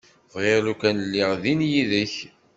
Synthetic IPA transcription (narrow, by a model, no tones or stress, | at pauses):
vʁeʁlukænlːiʁðinjiðəç